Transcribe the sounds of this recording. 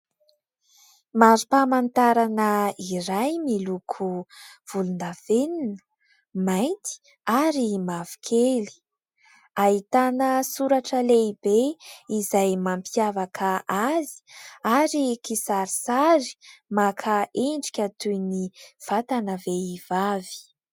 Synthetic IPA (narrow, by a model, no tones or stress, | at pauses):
mazipamant̪aɾanəiɾajmilukʰuv̥ulunaveninə̥ | majnt̪i̥ | aɾimavi̥kʰeli̥ | aɦit̪anəsuɾaʈ͡ʂəleibeizajmampiavakʰaʔazi̥aɾikisaɾisaɾi̥makʰaʔeɳɖ͡ʐi̥kʲat̪ujniv̥at̪anəveivavi̥